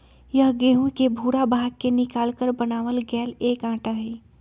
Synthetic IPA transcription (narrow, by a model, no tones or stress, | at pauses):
jəɦɡeːɦũkebʱuːɾabʱaːɡ̚kːenɪkaːlkəɾbɐnaːʋəlɡɛːleːkãːʈaɦiː